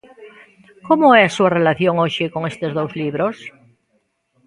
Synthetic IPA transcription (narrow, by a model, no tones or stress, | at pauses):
komoesuarelaθjoŋoʃekoŋest̪ezðowzliβɾos